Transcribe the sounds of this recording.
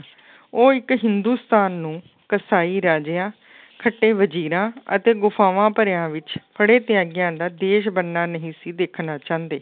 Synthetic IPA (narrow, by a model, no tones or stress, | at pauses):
oːɪkɦɪnd̪uːst̪aːnːũː | kəsaːiːɾaːd͡ʒeːãː | kʰəʈːeːʋəd͡ʒiːɾãːə̰t̪eːɡʊpʰaːʋãːpəɾejãːʋɪt͡ʃpʰəɽeːt̪ɪjaːɡɪjãːd̪aːd̪eːʃbənːaːnəɦĩːsiːd̪eːkʰnaːt͡ʃãːnd̪eː